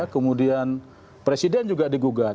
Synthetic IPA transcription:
kəmudian | pɾesidɛnd͡ʒuɡadiɡuɡa

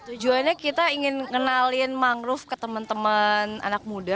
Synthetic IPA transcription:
t̪ud͡ʒuanɲakit̪aiŋɪnŋənalɪnmaŋɾʊfkət̪əmənt̪əməna̰nak̚muda

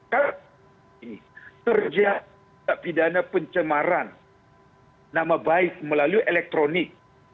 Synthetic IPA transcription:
ka | inikərd͡ʒa | aʔpidanapəɲt͡ʃəmaɾan | amabaɪk̚məlaluʔelɛk̚t̪ɾonɪk̚

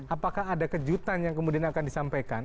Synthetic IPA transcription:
apakahadakəd͡ʒut̪anjaŋkəmudianakandisampajkan

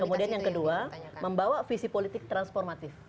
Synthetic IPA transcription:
kəmudianjaŋkəduaməmbawafisipolit̪ɪk̚t̪ɾansfɔrmat̪ɪf

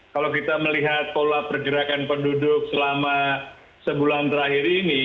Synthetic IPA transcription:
kalowkit̪aməliɦat̪̚polapərɡəɾakanpəndudʊk̚səlama | səbulant̪əɾahiɾini

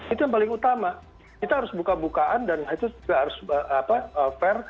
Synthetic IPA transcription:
it̪ujaŋp̬alɪŋut̪ama | kit̪aɦaɾʊsbukabukaʔandanhait̪uɡaɦaɾʊsəapaəfɛr

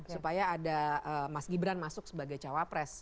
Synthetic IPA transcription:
supajaːdaəmasɡibɾanmasʊk̚səbaɡajt͡ʃawapɾɛs

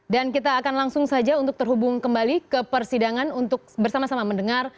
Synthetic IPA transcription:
dankit̪aːkanlaŋsʊŋsad͡ʒaunt̪ʊk̚t̪ərɦubʊŋkəmbalikəpərsidaŋanunt̪ʊk̚bərsamasamaməndəŋar

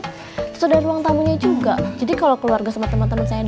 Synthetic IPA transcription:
t̪əsudaɾuaŋt̪amuɲad͡ʒuɡad͡ʒadikalakəluarɡasəmant̪əmant̪əmənsajan

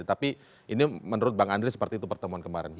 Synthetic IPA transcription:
t̪api | ʔinimənuɾʊt̪̚baŋandɾisə̥pərt̪iːt̪upərt̪əmuankəmaɾɛ̰n

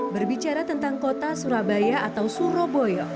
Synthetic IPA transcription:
bərbit͡ʃaɾat̪ənt̪aŋkot̪asuɾabajaʔat̪awsuɾobojɔ

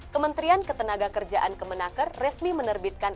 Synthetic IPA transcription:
kəmənt̪ɾiankət̪ənaɡakərd͡ʒaʔankəmənakərːɛsmimənərbit̪̚kan

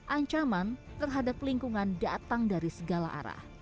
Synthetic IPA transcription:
ʔaɲt͡ʃamant̪ərɦadap̚liŋkuŋandat̪aŋdaɾisəɡala̰ʔa̰ɾa̰h

